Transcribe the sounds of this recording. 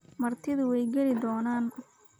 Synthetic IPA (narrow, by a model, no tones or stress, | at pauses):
mɐrt̪ʰɪðʊwɛjɡɛlɪd̪ɔːnaːn